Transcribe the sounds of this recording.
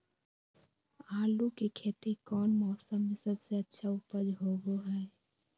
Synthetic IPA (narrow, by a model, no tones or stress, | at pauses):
aːlukikʰeːt̪ikɔːnmɔːsəmːẽsɐbseətːʃʰaʊpəd͡ʒɦoːɡoɦɛː